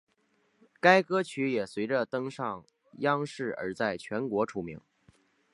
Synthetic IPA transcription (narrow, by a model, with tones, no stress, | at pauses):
ka˥ɪkɤ˥t͡ɕʰy˧˥jɛ˨˩swe˧˥ɪʈ͡ʂə˧t̪ɤ˥ŋʂɑ˥˩ŋ | jɑ˥ŋʂɻ̩˥˩ə̰˞˧˥t͡sa˥˩ɪt͡ɕʰɥɛ˧˥nkwɔ˧˥ʈ͡ʂʰu˧˥˩mḭ˧˥ŋ